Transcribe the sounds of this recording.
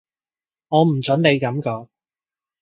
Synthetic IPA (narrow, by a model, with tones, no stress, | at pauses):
ŋɔː˨˧m̩˨˩t͡sʰɵ˨˥nne˨˧jkɐ˨˧˥mkɔː˨˥